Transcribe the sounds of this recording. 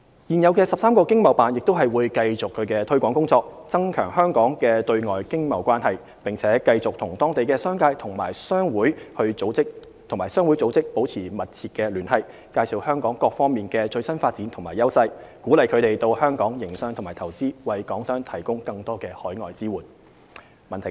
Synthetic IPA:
jiː˨njɐ˨˧wkɛː˧sɐ˨p̚saː˥mkɔː˧kɪ˥ŋmɐ˨wpaː˨njɪ˨k̚t̪wɦɐ˨jwuː˨˧jkɐ˧jt͡sʊ˨kʰːɵ˨˧ɥkɛː˧t̪ʰɵ˥ɥkʷɔː˨˥ŋkʊ˥ŋt͡sɔː˧k̚t͡sɐ˥ŋkʰœ̰ː˨˩ŋhœː˥ŋkɔː˨˥ŋkɛː˧t̪ɵ˧ɥŋɔː˨jkɪ˥ŋmɐ˨˩wkʷaː˥nhɐ˨j | pɪ˨˩ŋt͡sʰɛː˨˦˥kɐ˧jt͡sʊ˨k̚t̪ʰʊ˨˩ŋt̪ɔː˥ŋt̪e˨jkɛː˧sœː˥ŋkaː˧jt̪ʰʊ˨˩ŋmaː˨˩jsœː˥ŋwuː˨˥jhɵ˧t͡so˨˧˥wt͡sɪ˥k̚ | t̪ʰʊ˨˩ŋmaː˨˩jsœː˥ŋwu˨˥jt͡so˨˧˥wt͡sɪ˥k̚po˨˥wt͡sʰiː˨˩mɐ˨t̚t͡sʰiː˨t̚kːɛː˧lyː˨˩nhɐ˨j | kaː˧jsi˨whœː˥ŋkɔː˨˥ŋkɔː˧k̚fɔː˥ŋmiː˨nkɛː˧t͡ʃɵ˧ɥsɐ˥nfaː˧t̚t͡si˨˥nt̪ʰʊ˨˩ŋmaː˨˩jɐ˥wsɐ˧jkuː˨˥lɐ˨jkʰɵ˨˧t̪e˨jt̪o˧whœː˥ŋkɔː˨˥ŋjɪ˨˩ŋsœː˧ŋt̪ʰmaː˨˩t̪ʰɐ˨˩wt͡siː˥wɐ˨jkɔː˨˥ŋsœː˥ŋt̪ʰɐ˨˩jkʊ˥ŋkɐ˧ŋt̪ɔː˥kɛː˧hɔː˨˥jŋɔː˨jt͡siː˥wuː˨˩n | mɐ˨nt̪ʰ

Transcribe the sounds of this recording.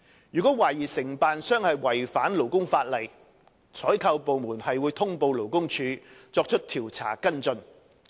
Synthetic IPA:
jyː˨˩kɔː˨˥waː˨˩jiː˨˩sɪ˨˩ŋpaː˨nsœː˥ŋhɐ˨jwɐ˨˩jfaː˨˥nlo˨˩wkʊ˥ŋfaː˧t̚lɐ˨˩j | t͡sʰɔː˨˥jkʰɐ˧wpo˨wmuː˨˩nhɐ˨jwuː˨˧jt̪ʰʊ˥ŋpo˧wlo˨˩wkʊ˥ŋt͡ʃʰyː˨˧t͡sɔː˧k̚t͡ʃʰɵ˥t̚t̪ʰiː˨˩wt͡sʰa̰ː˨˩kɐ˥nt͡sɵ˧n

